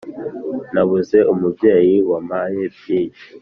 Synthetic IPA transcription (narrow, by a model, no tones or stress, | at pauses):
naβuze̞ʔumubje̞ːjiwamajebjeːji